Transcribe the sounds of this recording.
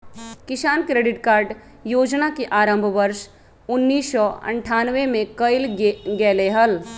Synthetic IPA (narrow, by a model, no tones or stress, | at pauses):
kɪsaːnkɾeːɖɪʈkaːɾɖ | joːd͡ʒnakeʔaːɾə̃mbʱʋəɾʃ | ʊnːiːsɔɐ̰̃ɳʈʰaːnʋemẽkəɪlɡɛːleɦəl